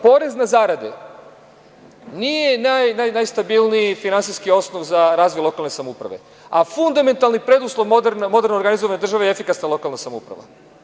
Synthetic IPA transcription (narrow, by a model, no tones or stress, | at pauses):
po̞ːɾe̞znazaɾad̪ḛ | niːje̞najnajnajst̪abilˠniifinansijskio̞snoʋzaɾaːzʋojulo̞kalˠne̞samoupɾa̰ʋe̞̰ | afund̪ame̞nt̪alˠnipɾe̞d̪uslˠoʋod̪ɾnmo̞d̪e̞ɾnoɾɡanizoʋaned̪r̩ʒaʋejefikasnalˠo̞kalnasamoṵpɾa̰ʋa̰